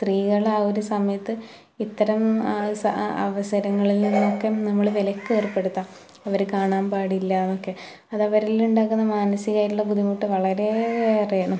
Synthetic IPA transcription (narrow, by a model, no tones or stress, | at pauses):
st̪riːɣɐɭaːo̞ɾusɐmɐjɐt̪ːɨ | it̪ːɐɾɐmsɐɐ̰ʋɐsɐɾɐŋːɐɭilninːokːenɐmːɐɭʋelɐkːeːrpːe̞ɽut̪ːa | ɐʋɐɾkaːɳaːmpaːɽilːɐnokːe̞ | ɐðɐʋɐɾiluɳɖaːkːunːɐmaːnɐsiɣaːjʈːuɭːɐɡuðimuːʈːɨʋɐɭɐɾe̞ɐrijɐɳɐm